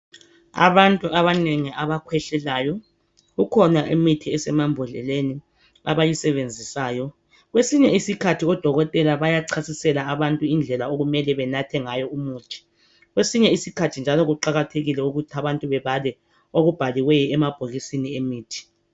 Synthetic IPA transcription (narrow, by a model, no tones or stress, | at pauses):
a̰βantʼuʔaβaneŋiaβakʰwɛɬɛlaːjɔ | ɣukʰɔnaʔemitʰiɛsɛmambʱɔɮɛ̰leni | aβajisɛβend͡zʱisaːjɔ | ɣwesiɲɛisikʰatʰiɔd̥ʱɔɣɔtʼɛlaβajaǀʰasisɛlaaβantʼuind͡ɮʱɛlaoɣumɛlɛβɛnatʰɛŋajɔumuːtʰi̥ | ɣwesiɲɛisikʰatʰind͡ʒʱalɔɣuǃaɣatʰeɣilɛuɣutʰiaβantʼuβɛβalɛ | oɣub̥ʱaliwɛjɔɛmab̥ʱoɣisiniemiːtʰi̥